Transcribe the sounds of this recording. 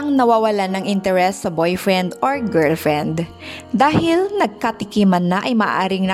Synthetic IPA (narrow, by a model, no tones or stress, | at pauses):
ɐŋnɐwaːwɐlanɐŋʔɪnt̪ɛɾɛsːɐbojfɹɛnd̪ʔoɹɡɛɹlfɹɛnd̪ | d̪aːhɪlnɐɡ̚kɐt̪ɪkimɐnːɐʔɐjmɐʔʔa̰ːɾɪŋnɐ